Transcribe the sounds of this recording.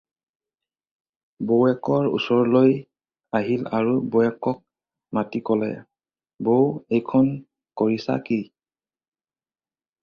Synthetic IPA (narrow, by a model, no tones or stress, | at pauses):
bowɛkɔɹṵsɔɹloj | aɦilaɹubowɛkɔk̚ | matikɔlɛ̰ | bowejkʰɔn | kɔɹisa̰ki